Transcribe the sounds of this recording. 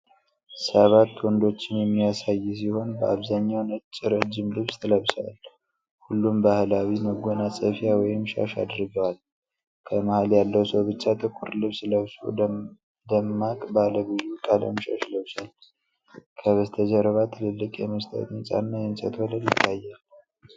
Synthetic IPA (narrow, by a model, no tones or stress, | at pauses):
səβat̪ːwɔnd̪o̞t͡ʃːɪnjɛmːijasajːs̬iho̞nbəʔaβzaɲːawnɨt͡ʃʼːɪɾəd͡ʒːɪmlɨβst̪ʰɨləβsa̰l | hulːumbahlawiməɡo̞nasʼəfijawɔjɪmʃa̰ʃa̰d̪ɾɡəwal | kʰəməhaljalːəwsəwbɨt͡ʃːat̪ʰʼɨkʰːuɾlɨβsləβsṵ | d̪əmːakʼbaləɡɨjːukʼalə̰mʃa̰ʃləβsal | kʰəβəst̪ʰəd͡ʒəɾəβat̪ʰɨlɨlːɨkʼjɛməst̪ʰʼə̰t̪ʼɨnt͡ʃʼa̰nːajɛnsʼət̪ʰolənjɪt̪ʰːajːal